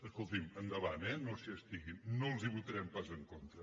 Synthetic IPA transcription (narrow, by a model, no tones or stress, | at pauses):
əskolˠt̪imənd̪əβanɛnosiəst̪iɣimnolˠziβut̪əɾɛmpazəŋkont̪ɾə